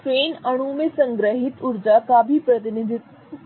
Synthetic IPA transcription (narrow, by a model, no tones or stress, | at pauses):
fɾeːnɐɽ̃umẽsɐ̃ŋɡɾəɦɪt̪ʊɾd͡ʑakaːbʱipɾət̪ɪnĩnd̪ɪ